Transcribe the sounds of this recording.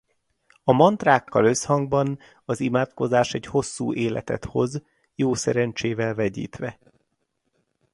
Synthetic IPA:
ɒmɒnt̪raːkːɒlø̞shɒŋɡ̚bɒn | ɒzimaːt̪ko̞zaːʃɛɟho̞sːuːʔeːlɛ̰t̪ɛ̰t̪ho̞z | joːsɛɾɛnt͡ʃeːvɛlvɛɟḭːt̪ʋɛ

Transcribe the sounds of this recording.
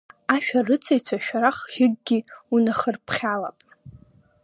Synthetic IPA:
aʃᶣarɨt͡sʰajt͡sʷʰaʃᶣaɾaχʒɪɡ̚ɡʲiunaχərpʰχʲala̰pʼ

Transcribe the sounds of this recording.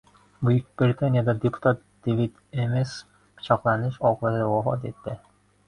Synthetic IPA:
bujyk̚b̥ɾit̪ʰanjad̪ɑd̪epu̥t̪ʰat̪̚d̪̥evit̪emes | pʰɪ̥t͡ʃʰɑqlˠɑnɪʃɒqlˠɑzwɑfɒ̰t̪et̪ːɪ

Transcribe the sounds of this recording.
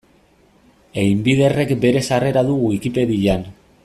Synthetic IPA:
ejmbiðe̞re̞kbe̞ɾe̞sare̞ɾaðuɣuikipe̞ðiʎan

